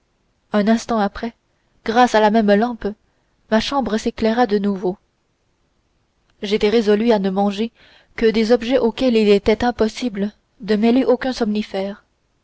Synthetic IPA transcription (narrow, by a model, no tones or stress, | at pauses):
ɛ̃nɛ̃st̪ɑ̃apχɛ | ɡ̥ʁasalamɛmlɑ̃p | maʃɑ̃bʁəseklɛʁad̪ənuvo | ʒet̪ɛʁezɔlyanəmɑ̃ʒe | kəd̪ezɔbʒɛʔokʲɛlilet̪ɛt̪ɛ̃pɔsiblə | d̪əmɛleʔokʲœ̃sɔmnifɛːʁ